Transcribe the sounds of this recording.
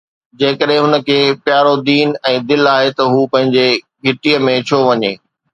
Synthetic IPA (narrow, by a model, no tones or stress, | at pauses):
d͡ʑeːkəɗɦɪ̃ɦʊnə̆kʰeːpjaːɾod̪iːnɛ̃ːd̪ɪlaːɦet̪ɐɦuːpɐ̃ɦɪ̃ɲd͡ʑe | ɡʱɪʈiəmẽt͡ɕʰoːʋɐɲeː